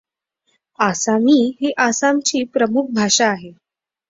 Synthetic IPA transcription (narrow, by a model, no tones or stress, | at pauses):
asamiːɦeʔasamt͡ɕiːpɾəmuk̚ʰbʱaʂaːɦe